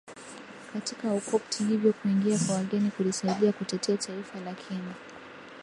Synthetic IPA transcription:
katikaukɔptʰihivjɔkuiŋɡiakwawaɠɛnikulisaiɗiakutɛtʰɛatʰaifalakʰini

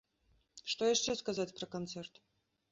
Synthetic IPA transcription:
ʂt̪ɔjaʂt͡ʂɛskazat͡sʲpɾɐkant̪sɛrt̪

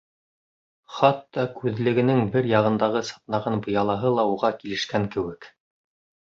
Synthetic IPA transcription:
χɑt̪ːɑkʉðlɘ̆ɡɘ̆nɘŋbɘɾjɑʁɤ̆nd̪ɑʁɤsɑ̥t̪nɑʁɑnbɤ̆jɑlˠɑɦɤlˠɑuʁɑkilɘ̆ʃkæŋkɘ̆wɘk

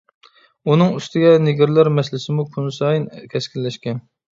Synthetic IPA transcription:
unɨŋyst̪ʰɪɡʲɛnɪɡʲɪɾlæɾmɛslɪsɪmukʰunsɑjinkʲʰɛskʲʰilːɛʃkʲɛn

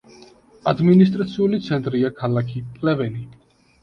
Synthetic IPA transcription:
ad̪minist̪ʼɾat̪sʰiulit̪sʰɛnt̪ʼɾiakʰalakʰikʼlɛvɛni

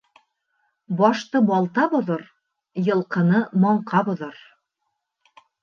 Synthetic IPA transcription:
bɒʃt̪ɤbɑlˠt̪ɑbŏðɤɾ | jɤ̆lˠqɤ̆nɤmɑɴqʰɑbŏðɤɾ

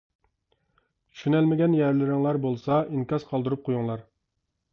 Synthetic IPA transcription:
t̪ʰy̥ʃynælmɪɡʲɛnjæɾlɪɾɪŋlˠɑɾbolˠsɑʔiŋkʲɑz̥qʰɑlˠd̪ɨɾup̚qʰojuŋlˠɑɾ

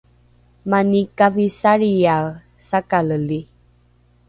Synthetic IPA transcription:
manikavisaɾia | sakaləli

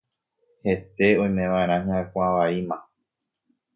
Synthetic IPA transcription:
he̞t̪e̞õ̞j̃mẽ̞ʋaẽɾ̃ãɦɨ̃akʷãʋaimã

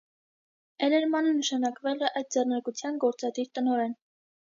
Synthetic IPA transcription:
ɛlɛɾmɑnənəʃɑnɑkvɛlɛʔɑjd̪̚d͡zɛrnɑɾkut͡sʰjɑnɡɔɾt͡sɑd̪iɾt̪ənɔɾɛn

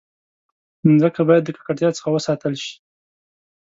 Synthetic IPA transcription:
zəkabɑjad̪ːəkḁkaʈt̪jɑt͡sə̥xawəsɑt̪əlʃi̥

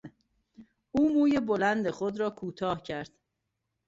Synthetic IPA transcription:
uːmuːjebolænd̪eχod̪ɾɒːkʰuːt̪ʰɒːhcʰæɾd̪̥

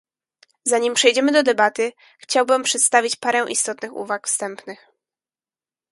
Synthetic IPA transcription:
zaɲimpʂɛjd͡ʑɛmɘd̪ɔd̪ɛbat̪ɘ | xt͡ɕawbɘmpʂɛt̪st̪avʲit͡ɕpaɾɛw̃ʔḭst̪ɔt̪nɘxṵvakfst̪ɛmpnɘx

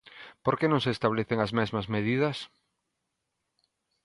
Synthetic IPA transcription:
poɾkenõŋseːst̪aβleθeŋɐzmɛzmɐzmeð̞ið̞ɐs

